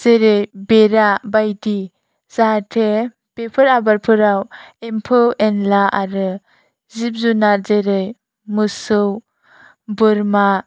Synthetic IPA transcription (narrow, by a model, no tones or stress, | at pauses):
z̥eɾɯjbeɾabajdi | z̥atʰe | pepʰɯɾabaɾpʰɯɾawempʰɯwʔenlaʔa̰ɾɯ | zip̚zunaɾzeɾɯj | mɯsɯw | bɯɾma